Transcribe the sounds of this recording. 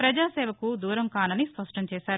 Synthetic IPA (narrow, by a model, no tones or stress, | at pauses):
pɾɐd͡ʒaːsɛːʋɐkud̪uːɾɐmkaːnɐnispɐʂʈɐɲt͡ʃɛːʃaːɾ